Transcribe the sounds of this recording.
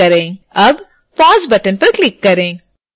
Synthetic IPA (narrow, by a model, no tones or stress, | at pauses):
ɐɾẽːɐb | paːzbɐʈənpɐɾklikːɐɾẽː